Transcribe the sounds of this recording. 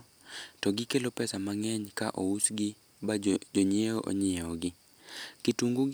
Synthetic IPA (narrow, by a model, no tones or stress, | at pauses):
tɔɡɪkelopɛsamaŋɛɲkaʔousɡɪ | ad͡ʒoɲɪeoʔo̰ɲeɔɡɪ | kituŋɡuɡ